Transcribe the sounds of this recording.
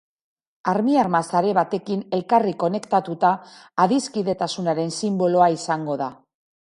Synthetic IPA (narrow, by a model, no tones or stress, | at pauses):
aɾmiaɾmasaɾe̞βat̪e̞kine̞lkariko̞ne̞kt̪at̪ut̪aːðiskiðe̞t̪asunaɾe̞nsimbo̞lo̞aisaŋɡo̞ða